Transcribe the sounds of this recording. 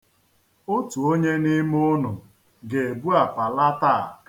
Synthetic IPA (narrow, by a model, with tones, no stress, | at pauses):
o˦tu˨o˦ɲe˦ni˦m˦ʊ˦nʊ˨ | ɡe˨e˨bu˦a˨pa˨la˦ta˦˨